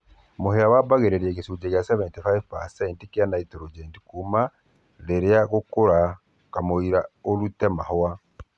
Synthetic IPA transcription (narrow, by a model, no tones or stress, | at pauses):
moheawabaɣeɾeɾɛɣesud͡ʒeɣjasɛβɛntefajpasɛintikeanaitɔɾod͡ʒɛntikuma | leɾeaɣokoɾa | kamoiɾaoɾutɛmahɔa